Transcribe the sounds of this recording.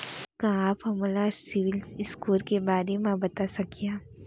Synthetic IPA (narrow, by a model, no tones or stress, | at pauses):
kãaːpɦɐmlasɪʋɪlsɪskuːlkebaːɾemãbɐt̪asɐkijãː